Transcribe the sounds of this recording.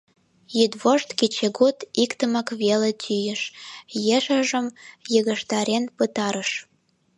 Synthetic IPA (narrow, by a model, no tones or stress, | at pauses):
jyd̪βoʃt̪ket͡ɕeɣot̪ikt̪əməkβelet̪ʲʰyjə̆ʃjeʃəʒəmjəɣə̆ʃt̪ɑɾenpət̪ɑɾəʃ